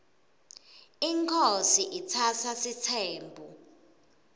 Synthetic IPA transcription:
iŋkʰosiʔit͡sʰatʰasitʰɛːmbʱu

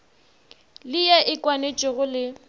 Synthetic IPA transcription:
lɪjɛʔɪkʼwanet͡ʃʼɪɣʊlɪ

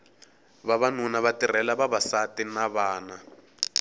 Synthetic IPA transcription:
βaβanunaβatir̤ɛlaβaβasatinaβaːna

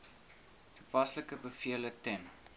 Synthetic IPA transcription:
tʰupɐsləkəbəfiələtɛn

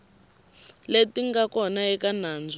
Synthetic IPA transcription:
letiŋɡakɔnaɛkanaːnd͡z

